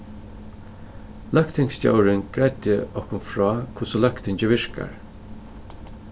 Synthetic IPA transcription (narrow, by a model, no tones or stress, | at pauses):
lœkt̪ʰɪŋst̪ja̰wɾɪnɡ̥ɾɛt̪jəʔɔhkʊnfɹɔːkʰʊsɔlœkt̪ʰɪɲt͡ɕəʋɪɹka̰ɹ